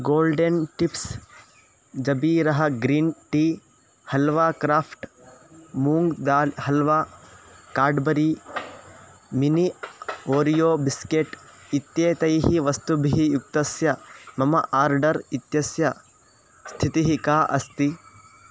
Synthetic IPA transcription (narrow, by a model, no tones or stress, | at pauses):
ɡoːlɖenʈips | d͡ʒɐbiːɾɐɦɐɡɾiːnʈiː | hɐlʋaːkɾaːpʰʈ | muːŋɡd̪aːlɦɐlʋaːkaːɾɖbɐɾi | minioːɾijoːbiskeʈit̪jeːt̪ɐjɦiʋɐst̪ubʱiɦijuk̚t̪ɐsjɐmɐmɐʔaːɾɖɐɾit̪jɐsjɐ | st̪ʰit̪iɦikaːʔɐ̰st̪i